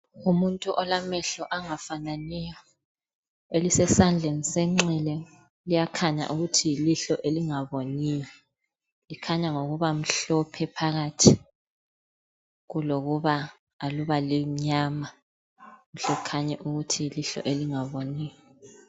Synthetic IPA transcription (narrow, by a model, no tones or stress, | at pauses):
umuntʼuʔɔlamɛɬɔʔaŋafananijɔ | elisɛsand͡ɮʱenisɛŋ͡ǀɛlɛ | lijakʰaɲa̰ʔuɣutʰiiliɬɔʔeliŋaβonijɔ | likʰaɲaŋoɣuβam̩ɬɔpʰɛpʰaɣatʰi | ɣuloɣuβaː | luβaliɲaːma | uɬɛukʰaɲɛʔuɣutʰiliɬɔ̰ʔeliŋaβoniːjɔ